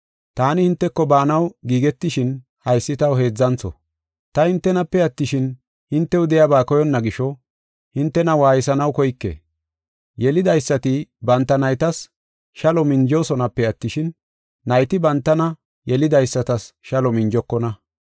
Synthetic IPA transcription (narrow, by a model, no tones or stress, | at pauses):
t̪aːnɪhɪnt̪ːɛkːɔbaːnɐwɡiːɡɛt̪ːɪʃɪn | hɐjsːɪt̪ɐwɦe̞ːd͡zːɐnt͡sːɔ̰ | t̪ɐhɪnt̪ːɛnɐpːɛɐt̪ːɪʃɪn | hɪnt̪ːɛʊd̪ɛjabaːkɔjɔnːɐɡɪʃɔ | hɪnt̪ːɛnɐwaːjɪsɐnɐwkɔjkːḛ | jɛlɪd̪ɐjsːɐt̪ɪbɐnt̪ːɐnɐjt̪ɐs | ʃɐlɔmɪɲd͡ʒo̞ːsɔnɐpːɛɐt̪ːɪʃɪnː | ɐjt̪ɪbɐnt̪ːɐnɐ | jɛlɪd̪ɐjsːɐt̪ɐsʃɐlɔmɪɲd͡ʒɔkːɔnɐ